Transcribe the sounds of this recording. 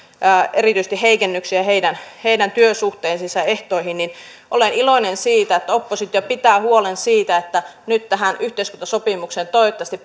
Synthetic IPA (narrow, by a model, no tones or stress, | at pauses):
ʔeɾiˑt̪yist̪iheikenːyksiæheidænheidænt̪yøsuht̪eːnsisæeht̪oihinnin | ʔoleniloinensiːt̪æet̪ːæopːosit̪ːjɑpit̪æːhuolensiːt̪æet̪ːænyt̪t̪æɦænyht̪eiskunt̪ɑsopimukseːnt̪oit̪ːɑst̪i